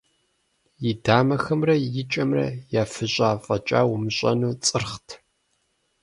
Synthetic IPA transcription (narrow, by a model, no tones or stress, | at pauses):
jɪdaːmɐxɐmrɐjɪt͡ʃʼɐmrɐ̰jaːfɨɕʼaːfʼɐt͡ʃʼa̰ːwʊmɨɕʷʼɐ̰nuːt͡sʼɨrχtʰ